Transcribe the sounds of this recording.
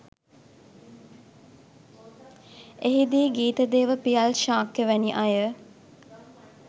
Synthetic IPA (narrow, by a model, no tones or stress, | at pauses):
eɦid̪iːɡiːt̪əd̪eːʋəpijalʃaːkjəʋæniʔajə